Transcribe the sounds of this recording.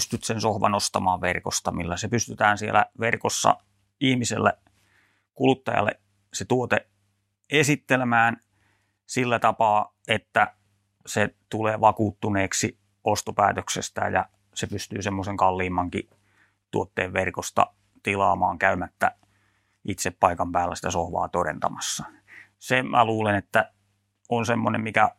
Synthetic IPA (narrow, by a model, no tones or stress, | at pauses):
st̪yt̪sensohʋɑ̰nost̪ɑmɑːʋʋerko̰st̪ɑmilːæsepyst̪yt̪æːnsielæ̰ʋerkosːɑ̰ | ihmisḛlːḛ | kulut̪ːɑjɑ̰lːḛ | set̪uot̪e | esit̪ːelemæːn | silːæt̪ɑpɑː | et̪ːæ | set̪uleːʋɑkuːt̪ːuneːksi | ost̪opæːt̪øksḛst̪æ̰jjɑ | sepyst̪yːsemːoseŋkɑlːiːmːɑŋkḭ | t̪uot̪ːeːʋʋerkost̪ɑ̰ | t̪ilɑ̰ːmɑːŋkæymæt̪ːæ̰ | it̪seppɑikɑmpæːlːæ̰si̥t̪æsohʋɑ̰ːt̪oɾḛnt̪ɑmɑsːɑ | semʔæ̰luːlenet̪ːæ | onsemːonḛmmikæ